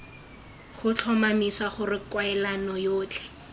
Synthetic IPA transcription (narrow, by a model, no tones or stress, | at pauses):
χʊt͡ɬʰɔmamiswaχʊrɪkwaɛlanɔjoːt͡ɬʰʼɛ̥